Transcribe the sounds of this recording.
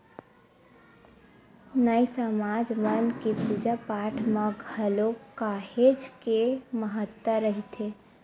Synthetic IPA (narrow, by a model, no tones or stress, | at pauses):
nəjsəmad͡ʒmənkepud͡ʒapaʈʰmẽɡʱəlokaɦed͡ʒkeməɦət̪ːəɾəɦit̪ʰe